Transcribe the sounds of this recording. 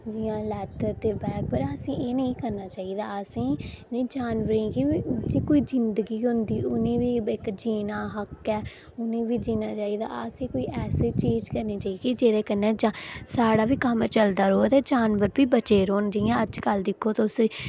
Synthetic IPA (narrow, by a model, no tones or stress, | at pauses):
d͡ʒijãːlɛːtəɾt̪eːbɛːk̚pəɾəsĩːeːnəĩːkəɾnaːt͡ʃaːiːd̪aːəsĩːniːd͡ʒaːnʋəɾĩːkid͡ʒiːkoːiːd͡ʒɪnd̪əɡiːɦʊnd̪iːʊnẽːʋiːɪkd͡ʒiːnaːɦəkːɛː | ʊnẽːʋiːd͡ʒiːnaːt͡ʃaːiːd̪a̰ːəsĩːkoːiːʔɛːseːt͡ʃiːd͡ʒkəɾniːt͡ʃaːiːkid͡ʒeːd̪eːkənɛ̃ːd͡ʒasaːɽaːʋiːkəmt͡ʃəld̪aːɾoːt̪ed͡ʒaːnʋəɾbiːbət͡ʃeːɾoːnd͡ʒɪːãːəd͡ʒkəld̪ɪkʰːoːt̪aʊs